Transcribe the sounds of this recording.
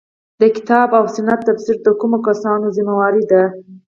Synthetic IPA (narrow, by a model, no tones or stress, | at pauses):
d̪əkɪ̥t̪ɑbawsʊnat̪ːapsɪɾd̪əkumokasɑnozimawɑɾid̪a